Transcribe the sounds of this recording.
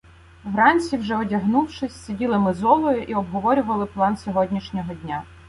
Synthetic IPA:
wɾɑnʲt͡sʲiwʒɛɔdʲɐɦnuwʃɪsʲsʲidʲilˠɪmɪzɔlˠɔjʊʔiɔbɦɔʋɔɾʲʊʋɐlˠɪplˠɑnsʲɔɦɔdʲnʲiʃnʲɔɦɔdʲnʲa

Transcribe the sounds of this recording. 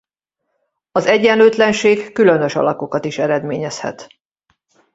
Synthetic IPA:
ɒzɛɟːɛnløːt̪lɛnʃeːɡːylø̞nø̞ʃɒ̰lɒko̞kɒt̪iʃɛɾɛd̪meːɲɛshɛ̰t̪

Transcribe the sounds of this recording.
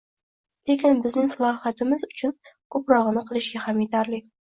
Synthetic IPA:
lekʲɪnbɪznɪŋsalˠɒhat̪ɪmɪzʊt͡ʃʰʊnkʰɵpɾɒʁɨnɪqʰɨlˠɪʃɡʲahamjet̪ʰaɾlɪ

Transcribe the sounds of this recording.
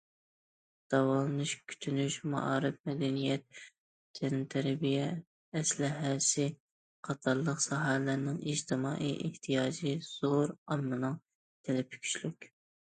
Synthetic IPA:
d̪̥ɑwɑlˠɨnɨʃkʲʰy̥t̪ʰynyʃmɑ̰ʔɑːɾɨfmɛd̪ɛnijɛt̪ːʰ | ɛnɨt̪ʰɛɾbijɛː | slɪɦɛsɪ | qʰɑt̪ʰɑɾlˠəqsɑɦæhlæɾnɪŋid͡ʒt̪ʰɨmɑ̰ːʔijʔeht̪ʰijɑːd͡ʒiz̥oɾɑmːɨnɨŋ | t̪ʰɛlɛpʰy̥kʲʰy̥t͡ʃlykʲ

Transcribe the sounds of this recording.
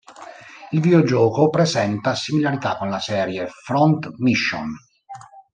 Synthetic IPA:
ilvid̪od͡ʒɔːkopɾezɛnt̪asimilaɾit̪akːonlasɛːɾjefɾɔnt̪miʃːo̰n

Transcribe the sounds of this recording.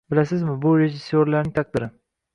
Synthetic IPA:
bɪlasɪzmɪbʊɾe̞ʒɪsːoɾlaɾnɪŋt̪ʰak̚d̪ɪɾɪ

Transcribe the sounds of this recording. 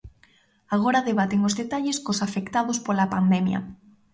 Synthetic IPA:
aɣ̞oɾaðeβat̪ɪŋozðet̪aʎeskosafekt̪aðʊspolapand̪ɛmjɐ̰

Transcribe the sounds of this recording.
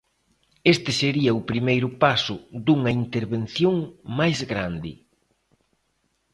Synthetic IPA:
est̪ɪseɾiɐʊpɾimejɾʊpasʊd̪uŋɐint̪eɾβen̟θjoŋmajzɣɾand̪ɪ̰

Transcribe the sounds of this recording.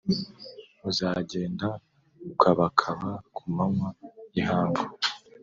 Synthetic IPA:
uzaːɟe̞ːnda | ukʰaβakʰaβakʰumamwajihaːɱvu

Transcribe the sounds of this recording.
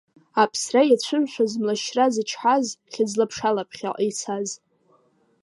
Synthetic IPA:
apʰsrajat͡ɕʷʰɨmʃʷᶣazmlaʃrazɨt͡ʃʰħʷazχʲad͡zlapʰʂalapʰχʲa̰ʔt͡sʰaz

